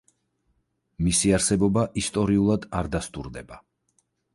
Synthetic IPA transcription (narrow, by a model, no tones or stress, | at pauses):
misiaɾsɛbɔbaʔist̪ʼɔɾiulˠad̪aɾd̪ast̪ʼṵɾd̪ɛba